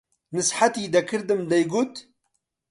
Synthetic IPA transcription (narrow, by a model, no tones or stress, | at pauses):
nɨsħat̪iːd̪ɐkʰɨɾd̪ɨmd̪ɐjɡut̪